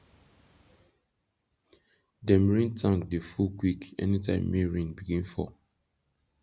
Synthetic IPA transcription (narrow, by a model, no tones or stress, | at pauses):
dɛ̃mɹĩntʰãŋkdefukwikɛ̰nitʰã̰ɪ̃mːeɹĩnbiɡĩnfɔ̰